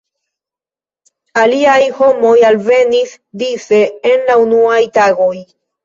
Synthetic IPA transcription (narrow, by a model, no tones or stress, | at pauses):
aliajho̞mo̞jalve̞nis | dise̞ːnlaunuajtaɡo̞j